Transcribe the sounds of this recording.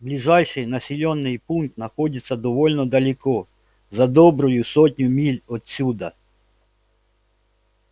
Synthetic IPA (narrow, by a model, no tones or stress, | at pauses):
blʲiʒɑjʃɪjnɐsʲilʲɔnːɪjpunk̚t̪nɐxɔdʲɪsʲːɐd̪ɔʋɔlʲnɔd̪ɐlʲɪkɔ | zɐd̪ɔbɾɔjʊsɔtʲnʲʊmʲilʲɔt̪sʲud̪ɐ